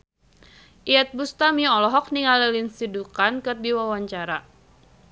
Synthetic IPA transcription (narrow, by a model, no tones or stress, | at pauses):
ʔiat̪̚bust̪amiɔlɔɦɔk̚niŋalɛlinsidukankərbiwawaɲt͡ʃaɾa